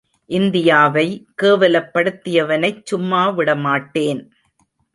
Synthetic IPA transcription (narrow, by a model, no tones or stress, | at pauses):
ʔɪnd̪ɪjaːʋɐɪkeːʋɐlɐpːɐɽɯt̪ːɪjɐʋɐnɐɪt͡ʃt͡ʃʊmːaːʋɪɽɐmaːʈːeːn